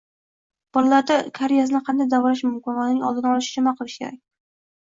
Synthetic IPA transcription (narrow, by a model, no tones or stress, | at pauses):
b̥ɒlalaɾd̪akʰaɾejasɪnɪqʰɑnd̪ajd̪avɒlaʃmʊmkʲɪnvanɪŋɒlˠd̪ɪnaɒlˠɪʃɪ̥d͡ʒʰʊmaqʰɨlˠɪʃkʲeɾa̰k̚ʲ